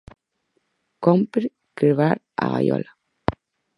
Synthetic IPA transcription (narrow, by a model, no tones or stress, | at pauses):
kɔmpɾ | kɾβaɾ | a̰ɣajɔ̰la